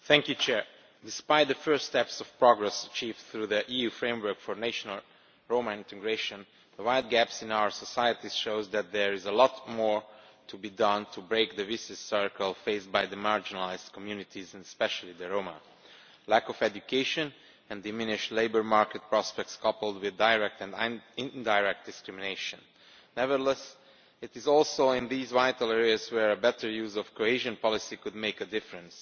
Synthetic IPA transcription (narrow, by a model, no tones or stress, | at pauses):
θæ̃ŋkjut͡ʃʰɛɹ | dɪspaɪt̪̚ðəfɜ˞stɛpsɔv̥pɹɔɡɹɛsət͡ʃiːvdθɹuðəʔijufɹẽɪ̃mwɜ˞kfɔɹneʃɔnəlˠ | ɹõʊməɪ̃ntʰɨɡɹeɪʃə̃n | ðəwaɪld̚ɡæpsɪ̃naʊə˞sɔsajət̪iʃoʊzðæt̪̚ðɛɹɪzəlɔtmɔɹtʰubidʌ̃ntʰubɹeɪk̚ðəvisɨsɜɹkəlˠfeɪsbajðəmaɹd͡ʒɪnlaɪzdkʰɔmjʉnɪtʰizɪ̃nspɛʃəlˠiðəɹõʊmə̰ | lækɔvɛdukʰeɪʃə̃n | ɛ̃ndɨmɪ̃nɪʃleɪbə˞maɹkɛt̚pɹɑspɛk̚tskɑpl̩ˠdwɪðdaɪɹɛk̚t̪ɛ̃nɪ̃ndaɪɹɛk̚t̚d̥̪ɪskɹɪmɪneɪʃə̃nː | ɛvədəlɛs | ɪtɪzɔlˠsoʊɪ̃nd̪iːzvaɪtl̩ˠɛɹiazwɛɹəbɛtʰə˞juːzɔfkoeʒə̃npɑlɪsikud̚meɪkədɪfɹə̃ns